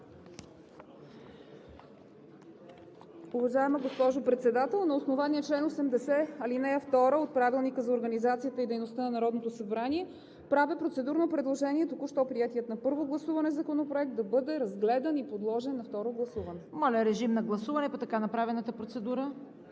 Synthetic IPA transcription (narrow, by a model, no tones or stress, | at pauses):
uvɐʒaɛməɡospɔʒopɾɛt̪sɛd̪at̪ɛlˠnɐosnovaniət͡ʃlɛnosɛmd̪ɛsɛɐlinɛɐft̪ɔɾəot̪̚pɾavilˠnikəzɐoɾɡənizat̪sijət̪əid̪ɛjnost̪anɐnɐɾɔd̪not̪osɐbɾaniɛ | pɾavɛpɾot̪sɛd̪uɾnopɾɛd̪lˠoʒɛniɛt̪okuʃt̪ɔpɾiɛt̪ijət̪nɐpɤɾvoɡlˠɐsuvɐnɛzɐkonopɾoɛk̚t̪d̪ɐbɤd̪ɛɾɐzɡlɛd̪ɐnipod̪lˠɔʒɛnːɐft̪ɔɾoɡlˠɐsuvɐnɛmɔlʲəɾɛʒimnɐɡlˠɐsuvɐnɛpɐt̪ɐkanɐpɾavɛnət̪əpɾot̪sɛd̪uɾə